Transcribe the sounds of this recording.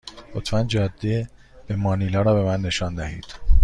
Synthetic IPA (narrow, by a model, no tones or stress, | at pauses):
hot̪ʰmænd͡ʒɒːd̪ːe | b̥emɒːniːlɒːɾɒːbe̞mænːe̞ʃɒːnd̪æhḭːd̪̥